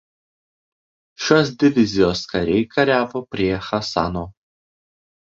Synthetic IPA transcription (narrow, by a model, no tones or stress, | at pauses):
ʃʲoːs̬d̪ʲɪʋʲɪzʲɪjoːskɐɾʲɛɪkʰɐɾʲæːʋoːpʲɾʲiɛxɐsɑ̰noː